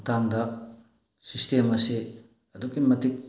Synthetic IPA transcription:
tamdɐ | sistemɐse | ɐdukimɐtik̚

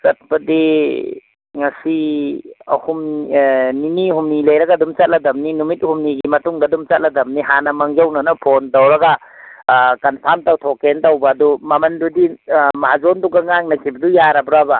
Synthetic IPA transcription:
sɐt̚pɐdi | ŋɐsi | hum | niniɦumnilejɾɐɡadumt͡ʃɐt̚lɐdɐmninumit̚humniɡimɐtuŋdadumt͡ʃɐt̚lɐdɐmniɦanɐmɐŋd͡ʒawnɐnɐpʰontawɾɐɡa | kɐnpʰamtawtʰokentawbɐːdumɐmɐndudimad͡ʒonduɡɐŋaŋnɐkʰibɐdujaɾɐbɾaba

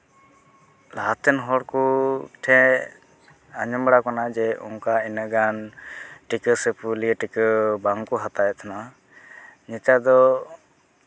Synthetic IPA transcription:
laɦat̪ɛnɦɔɽkuʈʰɛ̃ | aɲəmbɽakɔnad͡ʒɛʔṵŋkainəɡanʈikəsepʰuliəʈikəbaŋkɔɦat̪ajɛt̪ʰna | ɲit̪ad̪ɔ

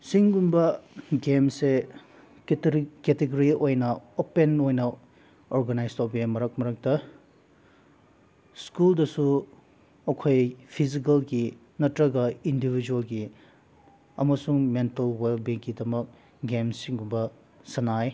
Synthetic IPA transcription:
siŋɡumbɐɡemse | keteɡoɾiojnɐopenojnɐ | oɾɡɐnajstʰowbimɐɾɐk̚mɐɾɐk̚tɐ | skuldɐsu | ɐkʰojpʰizik̬ɐlɡi | nɐtɾɐɡɐindibʱid͡ʒuɐlɡi | ɐ̰mɐsuŋmentɐlwelbiŋkːidɐmɐk̚ | ɡemsiŋɡumbɐ | sɐnaj

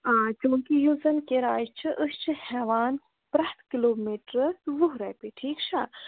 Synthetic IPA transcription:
at͡ʃumɐkijuːzɐnkeɾaːjt͡ʃʰiʔəst͡ʃʰihɛːʋaːn | pɾɐht̪ʰkiloːmiːʈɾʋuɦɾɐjpiʈʰiːkt͡ʃʰa

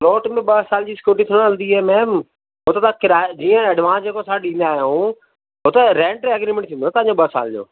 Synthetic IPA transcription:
lɔːʈmẽɓɐɦsaːld͡ʑiːsɪ̥kjuːʈit̪ʰĩəlnd̪iɛːmɛ̃ːm | ɦʊt̪et̪ãkɪɾad͡ʑiːə̃ɐɖʋãːsd͡ʑeːkosãɗĩːnd̪aːɦjũ | ɦʊt̪eɾɛ̃ːɳʈeɐɡɾimẽɳʈt̪ʰĩːnd̪ot̪ãːɲd͡ʑoɓəɦsa̰ːld͡ʑo̰ː

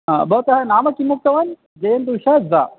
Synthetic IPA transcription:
ɦa̰bɐt̪ɐɦɐnaːmɐkimuk̚t̪ɐʋɐn | d͡ʒɐjɐnd̪uːʃɐza̰ː

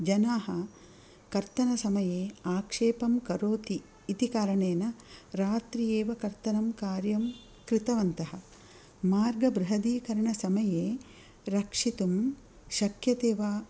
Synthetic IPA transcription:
d͡ʒɐnaːɦɐ | kɐɾt̪ɐnɐsɐmɐjeːaːkʂeːpɐmkɐɾoːt̪iː | t̪ikaːɾɐɳeːnɐɾaːt̪ɾijeːʋɐkɐɾt̪ɐnɐmkaːɾjɐm | kɾɪt̪ɐʋɐnt̪ɐɦɐ | maːɾɡɐbɾɐɦɐd̪iːkɐɾɐɳɐsɐmɐjeː | ɾɐkʂit̪um | ʃɐkjɐt̪eːʋaː

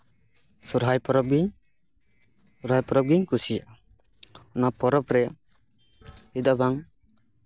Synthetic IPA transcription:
suɾɦajpɔɾɔp̚ɡiɲ | suɾajpɔɾɔp̚ɡiɲkusija | ɔnapɔɾɔpɾɛ | id̪abaŋ

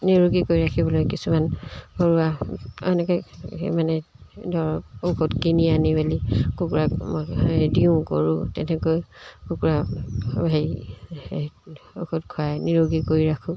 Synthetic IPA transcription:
niɹuɡikoɹiɹakʰibɔlojkisumankoɹuaɔ̰nɛkɔ̰manɛ | dɔɹɔpokɔtkinianibalikukuɹamɔ̰diʊ̃ko̰ɹʊ̃tɛtʰɛkojkukuɹabʱai | okotkʰuajniɹuɡikoɹiɹakʰʊ̃

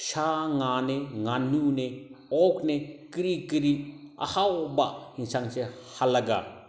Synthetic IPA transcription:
ʃaŋaneŋanuneɔk̚nekiɾikiɾia̰hawbahinsaŋsehalɐɡa̰

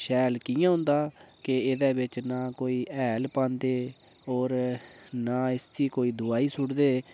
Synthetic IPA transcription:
ʃɛːlkiːjãːɦʊ̃nd̪aːkɪeːd̪ɛːbɪt͡ʃnãːkoːiːʔɛːlpãːnd̪eː | ɔːɾnãːɪst̪ʰiːkoːiːd̪ʊaːiːsʊɽd̪eː

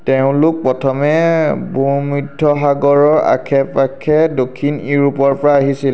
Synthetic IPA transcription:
tɛʊ̃lʊk̚pɹɔtʰɔmɛbumɹidʱːɔɦaɡɔɹɔɹa̰kʰɛpakʰːɛdokʰːiniɹupɔɹpɔɹaaɦisil

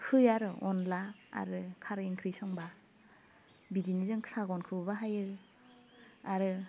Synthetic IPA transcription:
hɯjaɾɯʔɔ̰nlaa̰ɾɯkʰaɾiŋkʰɾisɔŋba | bidinizɯŋ̥ʰsaɡɔnkʰɯbbaɦajɯ | aɾɯ

